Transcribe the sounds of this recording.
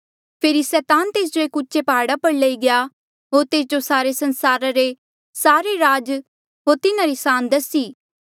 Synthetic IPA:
pʰeːɾisɛːt̪aːnt̪eːs̬d͡ʒoeːkʊːt͡ʃepaːɽapɐɽləiɡɪja | ɦoːɾt̪eːs̬d͡ʒosaːɾesɐnsaːɾaɾe | saːɾeɾaːd͡ʒ | ɦoːɾt̪ɪnãɾisaːnd̪əsiː

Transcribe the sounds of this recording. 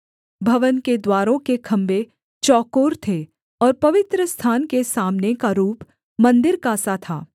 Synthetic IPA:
bʱɐʋənked̪waːɾõkekʰɐ̃mbe | t͡ʃɔːkoːɾt̪ʰe | ɔːɾpɐʋɪt̪ɾəst̪ʰaːnkesaːmnekaɾuːp | mɐ̃nd̪ɪɾkaːsat̪ʰa̰ː

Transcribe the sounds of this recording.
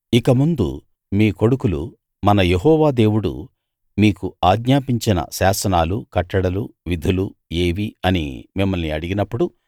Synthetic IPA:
ikɐmund̪ṵ | miːko̞ɽukulṵ | mɐnɐjeɦɔːʋaːd̪e̞ːwuɽṵ | miːkuaːɡɲaːpiɲt͡ʃinɐ̰saːsɐnaːlukɐʈːɐɽɐluʋid̪ʱulue̞ːʋiɐnḭmimːɐlniɐɽiɡinɐpːuɽu

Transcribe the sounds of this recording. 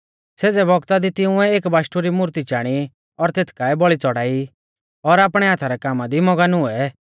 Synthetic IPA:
seːd͡zɛbɔɡt̪ad̪it̪ɪʊ̃ɛeːkbaːʃʈuɾimʊɾt̪it͡ʃaːɽ̃i | ɔɾt̪eːt̪ʰkaɛbɔɭit͡sɔɽaːi | ɔɾaːpɽ̃ɛaːt̪ʰaɾɛkaːmad̪imɔɡanʊɛ

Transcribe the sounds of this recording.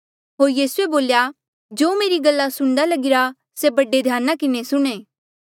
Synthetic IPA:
ɦoːɾjiːsueboːlja | d͡ʒoːmeːɾiɡɐlːasʊɽ̃d̪alɐɡɪɾa | sebɐɖed̪ʱjaːnakɪnesʊɽ̃ẽː

